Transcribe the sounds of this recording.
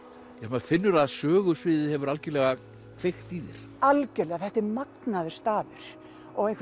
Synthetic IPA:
jɛmɛfɪnːʏɾaðsœːɣʏsvɪːðɪhɛvʏɾalcɪlɛɣa | kʰv̥ext̪iːðɪ̰ɾ̥ | alcɛlɛɣaθɛht̪ɪɾmaknaðʏst̪aːvɪɾ̥ | ɔɣejŋkf

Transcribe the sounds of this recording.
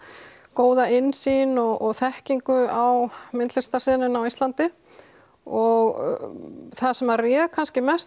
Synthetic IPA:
koːwðaɪnːsinɔɣʔɔɣθɛhciŋkʏawmɪnt̪lɪrst̪ḁsɛːnʏnawist̪lant̪ɪ | ɔɣ | θasɛmarjɛːðkʰanscɪmɛst

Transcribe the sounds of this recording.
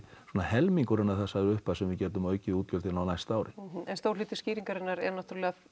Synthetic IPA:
sɔːnahɛlmiŋkʏɾɛnːaθasaðɪɾʏhpaðsɛmvɪðcɛːɾt̪̬ʏmœːɥcɪuːt̪̚cœlʰɪlnawnajst̪aːwɾʔɪɛnst̪owɾliːt̪ɪsciːɾiŋkaɾɪnːaɾɛɾnawt̪ʏɾlɛːɣa

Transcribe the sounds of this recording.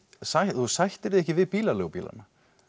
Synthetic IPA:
sajθusajht̪ɪɾðɪɛhçcɪvɪðpiːlaloːwpḭːla̰na

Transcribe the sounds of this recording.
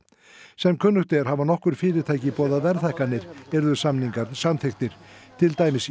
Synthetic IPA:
sɛmkʰʏnːʏxt̪ɛɾ̥havanɔhkʏɾ̥fɪːɾɪɾt̪ʰaːjcɪpɔːðavɛɾθɛhkanːɪɾɛɾðʏsamniŋkat̪nsanθexkt̪ɪɾ̥t̪ʰɪlt̪aːjmɪs

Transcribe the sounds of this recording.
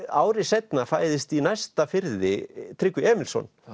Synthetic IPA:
aːwɾɪsɛjt̪nafaːjðɪst̪inajst̪afɪɾðɪt̪ʰɾɪkʏɛːmɪlsɔ̰n

